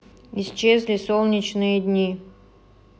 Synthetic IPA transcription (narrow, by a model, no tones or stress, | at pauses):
ist͡ɕezʲlʲɪsolˠnʲɪt͡ɕnɨjəd̪ʲnʲi